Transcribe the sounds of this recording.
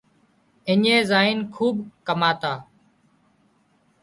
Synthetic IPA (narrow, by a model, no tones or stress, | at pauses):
ɪɲẽːzaːiːnkʰuːbkəmaːt̪aː